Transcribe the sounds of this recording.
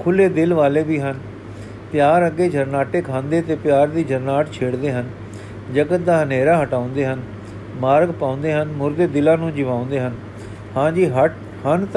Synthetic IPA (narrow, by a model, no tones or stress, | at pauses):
kʰʊleːd̪ɪlʋaːleːbiːɦən | pjaːɾəɡeːd͡ʒəɾnaːʈeːkʰãːnd̪eːt̪eːpɪjaːɾd̪iːd͡ʒəɾnaːʈt͡ʃʰeːɽd̪eːɦən | d͡ʒəɡət̪̚d̪aːɦəneːɾaːɦəʈaːʊ̃nd̪eːɦən | maːɾɡpãːʊ̃nd̪eːɦənmʊɾd̪eːd̪ɪlãːnũːd͡ʒɪʋaːʊ̃nd̪eːɦən | hãːd͡ʒiːɦəʈ | hənt̪